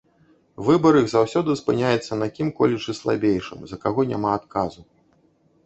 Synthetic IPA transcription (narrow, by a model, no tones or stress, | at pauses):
vɨbɐɾɨɣzawsʲɔd̪ɨspɨnʲajɛt̪sːɐnakʲimkɔlʲit͡ʂɨslˠa̰bʲejʂɨ̰mzɐkaɣɔnʲa̰maːt̪kazu